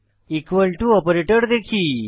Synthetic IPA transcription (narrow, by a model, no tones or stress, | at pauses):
ikʋəlʈuɔpɾeʈəɾd̪ekʰiː